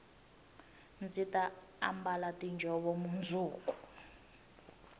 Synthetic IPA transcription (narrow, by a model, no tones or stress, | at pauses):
nd͡zita | a̰mbalatʼind͡ʒʱɔβɔmund͡zʱuːku̥